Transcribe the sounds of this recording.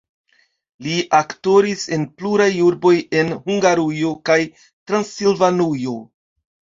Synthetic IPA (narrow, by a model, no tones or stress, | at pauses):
liʔakto̞ɾise̞npluɾajuɾbo̞je̞nhuŋɡaɾujo̞kaj | tɾansilvanujo̞